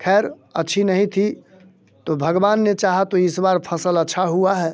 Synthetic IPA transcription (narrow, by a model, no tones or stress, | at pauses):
kʰɛːɾ | ətːʃʰinəɦĩt̪ʰi | t̪obʱəɡbaːnːet͡ʃaɦat̪oɪsbaɾpʰəsələtːʃʰaɦuaɦɛː